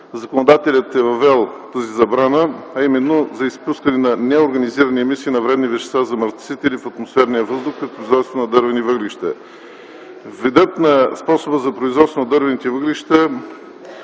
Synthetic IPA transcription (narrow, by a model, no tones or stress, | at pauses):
zɐkonod̪at̪ɛlʲət̪ɛvɐvɛlˠt̪azizɐbɾanəɐimɛnːozɐispuskənɛnɐnɛoɾɡɐniziɾəniɛmisiːnɐvɾɛd̪nivɛʃɛ̥svazɐmɐɾt̪sit̪ɛlifɐt̪mosfɛɾnijəvɤzd̪ʊxkɐt̪̚pɾʊizvɔt̪st̪vonɐd̪ɤɾvɛnivəɡliʃt̪ɐ̰ | vid̪ɤt̪nɐspɔsobəzɐpɾoizvɔt̪st̪vonɐd̪ɤɾvɛnit̪ɛvəɡliʃt̪ə